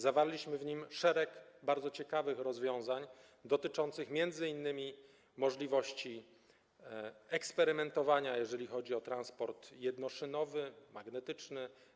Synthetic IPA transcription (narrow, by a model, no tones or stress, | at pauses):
zavaɾlʲiɕmɘvɲimʂɛɾɛkbaɾd̪zɔt͡ɕɛkavɘxɾɔzvʲjɔ̃w̃zaɲ | d̪ɔt̪ɘt͡ʂɔnt̪sɘxmʲjɛnd̪zɘinːɘmʲi | mɔʐlʲivɔɕt͡ɕi | ɛkspɛɾɘmɛnt̪ɔvaɲajɛʐɛlʲixɔd͡ʑiɔt̪ɾanspɔɾt̪jɛd̪nɔʂɘnɔvɘmaɡnɛt̪ɘt͡ʂnɘ